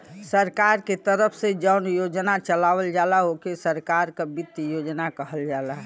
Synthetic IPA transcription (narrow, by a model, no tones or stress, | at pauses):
səɾkaɾket̪əɾəpʰsed͡ʒəʊnjod͡ʒnat͡ʃəlawəld͡ʒalaɦokesəɾkaɾkabɪt̪ːjod͡ʒnakəɦəld͡ʒaːlaɦ